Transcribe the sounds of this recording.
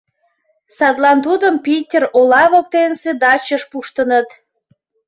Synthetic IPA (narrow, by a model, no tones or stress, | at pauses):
sɑt̪lɑnt̪ud̪əmpitʲerolɑβok̚t̪ensed̪ɑt͡ɕəʃpuʃt̪ənət̪